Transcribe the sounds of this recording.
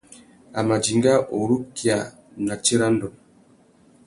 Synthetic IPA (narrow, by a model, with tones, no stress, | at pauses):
a˨ma˨d͡ʒi˨ŋɡa˦ʔo˨ɾu˦kja˨ | na˨t͡ʃe˦ɾa˦n̩˦dɔ˨m